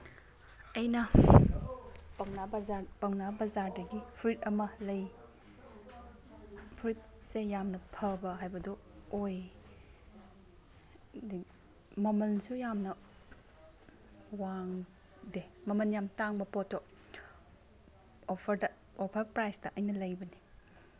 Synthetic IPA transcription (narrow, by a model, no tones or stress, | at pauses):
ɐjnɐ | pɐŋnabapɐŋnabɐzaɾdɐɡipʰɾit̚ɐmɐlɐj | pʰɾit̚sejamnɐpʰɐbɐɦajbɐdu | oj | di | mɐmɐnsujamnɐ | waŋ | demɐmɐnjamtaŋbɐpɔtːo | opʰɾɐ | ɔpʰɐɾpɾajstɐʔɐjnɐlɐjbɐni